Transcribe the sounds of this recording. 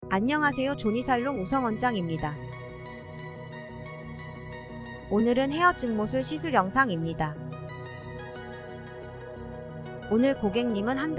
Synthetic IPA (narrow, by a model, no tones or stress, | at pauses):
aɲːʌŋɦas̬ʰe̞jot͡ɕoɲisʰaɭːoŋusʰʌŋwʌnd͡ʑaŋimɲida | onɯɾɯnhe̞ʌt͡ɕ͈ɯŋmos̬ʰɯɭɕʰisʰuɾjʌŋsʰaŋimɲida | onɯɭkoɡe̞ŋɲimɯnhand